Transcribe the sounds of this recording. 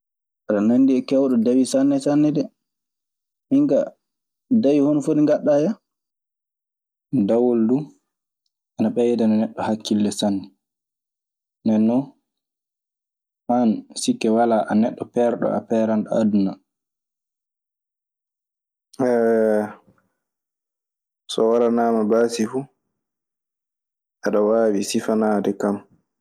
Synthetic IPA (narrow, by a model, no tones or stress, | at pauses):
aɾanandiɛkɛwɗɔdawisanːɛsanːɛdɛ | hiŋka̰ | dawihonfoɗiŋɡaɗːaja | dawoldu | anaɓɛjɛdananɛɗːɔhakʰːilːɛsanːɛ | nɛnːɔ | mansikːɛwalaʔanɛɗːɔpɛɾɗɔ̰a̰pɛɾanɗɔa̰duna | ɛ | sɔwalanaːmabaːsifu | ʔaɗawaːwisifanaːdɛkam